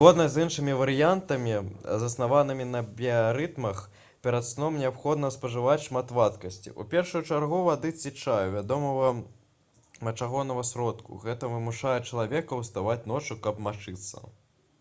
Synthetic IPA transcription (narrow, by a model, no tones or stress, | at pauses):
zɣɔd̪nɐzʲinʂɨmʲivɐɾɨjant̪ɐmʲizɐsnavanɨmʲinɐbʲiaɾɨt̪mɐx | pʲɛɾɐt̪snɔmnʲɛapxɔd̪nɐspɐʐɨvat͡sʲʂmat̪vat̪kɐsʲt͡sʲḭʔṵpʲɛrʂujut͡ʂarɣuvad̪ɨt͡sʲit͡ʂajuvʲad̪ɔmɐvɐ | mɐt͡ʂaɣɔnɐɣɐsʲɾɔt̪kṵɣɛt̪ɐvɨmuʂajɛt͡ʂɐlˠavʲɛkɐwst̪avat͡sʲnɔt͡ʂukɐpmat͡ʂɨt̪sːɐ̰